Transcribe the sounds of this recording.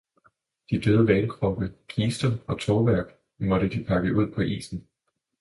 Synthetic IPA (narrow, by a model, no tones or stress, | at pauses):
d̥id̥øːð̞ˠəʋɛːnəkʰʁɒ̽b̥əkʰiːsd̥ɐɒ̽t͡sʰɒːʋæɐ̰ɡ̥ | mɒ̽ɾ̥əd̥ipʰɑ̈ɡ̥əʔuð̞̰ˠpʰɒ̽ʔḭːsn̩